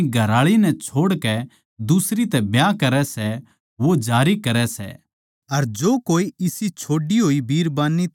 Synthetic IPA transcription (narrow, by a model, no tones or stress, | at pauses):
ɡʱɐɾaːɭinɛt͡ʃʰoːɽkɛ | d̪usɾit̪ɛbjãkɐɾɛsɛ | ʋod͡ʒaːɾikɐɾɛsɛ̰ | ɐɾd͡ʒoːkoːiɪsit͡ʃʰoːɖiɦoːibʱiːɾbaːnːi